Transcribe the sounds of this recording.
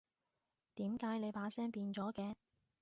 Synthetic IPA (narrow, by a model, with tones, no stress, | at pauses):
t̪iː˨˥mkaː˨˥jne˨˧jpaː˨˥sɛː˥ŋpiː˧nt͡sɔː˨˥kɛː˧